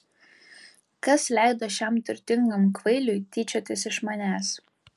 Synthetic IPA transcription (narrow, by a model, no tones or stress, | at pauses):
kɐslʲæˑɪd̪oːʃʲɛmt̪ʲʊɾʲt̪ʲɪŋɡɐmkʋɐɪlʲʊjt̪ʲiːt͡ʃʲoːt̪ʲɪsɪʃmɐnʲæːs